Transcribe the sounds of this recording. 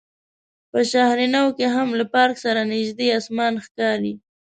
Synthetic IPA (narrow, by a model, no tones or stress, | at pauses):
pəʃahɾinawkeɦamlapɑɾksaɾanɪʒd̪eɑsmɑnxkɑɾi